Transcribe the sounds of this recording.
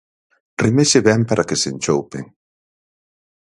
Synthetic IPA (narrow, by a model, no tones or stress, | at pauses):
rimeʃeβɛmpaɾʔakesent͡ʃowpeŋ